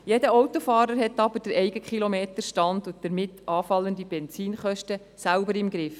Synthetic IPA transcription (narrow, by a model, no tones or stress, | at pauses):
jɛdəɔwtofɑːɾəɾɦɛtːɑbəɾd̥əɾɛɪɡəkχilomeːt̪əɾʃtɑndʊd̥əɾmɪtːɑːfɑlːəndibɛnsiːnχœʃtə | sælbəɾɪmɡɾɪf